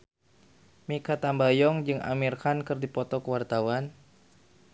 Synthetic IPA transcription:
mikat̪ambajɔŋd͡ʒɨŋa̰mirkankɨrdipɔt̪ɔkəwart̪awan

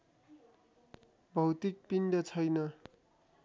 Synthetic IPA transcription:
bʱʌwt̪ik̚pinɖʌt͡sʰʌjnʌ

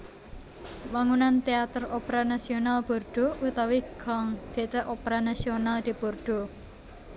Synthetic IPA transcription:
waŋunant̪eat̪əropeɾanasionalb̥o̤rɖ̥o̤ut̪awiɡ̥ɔŋd̪̥e̤ʔt̪əʔopeɾanasionald̪̥i̤borɖ̥o̤

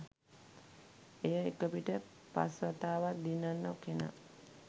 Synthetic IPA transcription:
ejəekəpiʈə | pa̰sʋat̪aːʋad̪inːanːakena̰

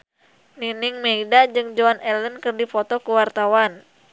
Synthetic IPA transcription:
niniŋmeidad͡ʒɨŋd͡ʒoanʔɛlənkɨrdifɔt̪ɔkuwart̪awan

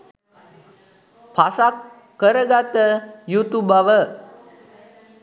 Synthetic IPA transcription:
pʰasakː | əɾəɡat̪əjut̪ubaʋə

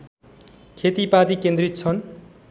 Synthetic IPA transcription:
kʰet̪ipad̪ikẽnd̪rit̪̚t͡sʰʌn

